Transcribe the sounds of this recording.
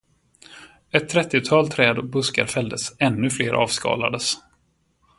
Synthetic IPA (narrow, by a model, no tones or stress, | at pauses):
ɛt̪ʰːɾɛt̪ːɪt̪ʰɑːlt̪ʰɾɛːd̪ɔbɵska̰ɾfɛld̪əsɛnːɵfleːɾʔɑ̰ːvskɑ̰ːla̰d̪əs